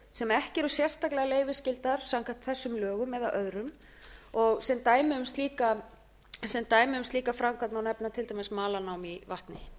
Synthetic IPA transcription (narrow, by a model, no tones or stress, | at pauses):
sɛmɛhcɪɛɾʏ̥sjɛr̥st̪aklɛɣaleːjvɪ̥scɪlt̪aɾ̥saŋkaht̪θɛsːʏmlœːɣʏmːɛðawʔœðɾʏm | ɔɣsɛmt̪aːjmɪʏmst̪liːka | sɛmt̪aːjmɪʏmst̪liːkafɾamkat̪nawnɛpnat̪ʰɪlt̪ajmɪsmaːlanaːwmivaht̪nɪ